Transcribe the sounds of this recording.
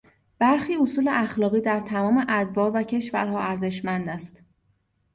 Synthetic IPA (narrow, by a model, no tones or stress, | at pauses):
b̥æɾxiːosuːleʔæxlɒːɣiːd̪æɾt̪ʰæmɒːmeʔæd̪vɒːɾvæcʰe̞ʃvæ̰ɾɦɒːæɾze̞ʃmænd̪æst̪